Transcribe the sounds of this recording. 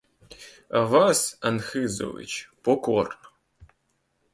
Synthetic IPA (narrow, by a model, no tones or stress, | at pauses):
ɐvasɐnxɨzo̰vḭt͡ʃpokor